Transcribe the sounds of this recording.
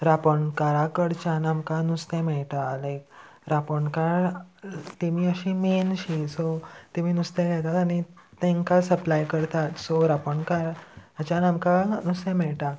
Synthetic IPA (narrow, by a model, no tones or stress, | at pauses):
ɾapəɳkaɾakəɽt͡ɕanamkanust̪ẽmɛɭʈalek | ɾapəɳkaɾ | t̪emiːəɕiːmenɕisot̪emiːnust̪ẽɡʱɛt̪at̪añit̪ẽŋkasəplajkəɾt̪at̪soɾapəɳkaɾət͡ɕanamkanust̪ẽmɛɭʈa